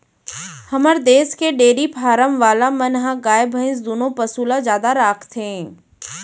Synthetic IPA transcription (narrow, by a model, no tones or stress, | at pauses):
hɐməɾd̪eːskeɖeːɾipʰaːɾəmʋaːlamɐnɦãɡaːjbʱəɪ̃s̬d̪oːnõpəsuːlazjaːd̪aɾaːkʰt̪ẽː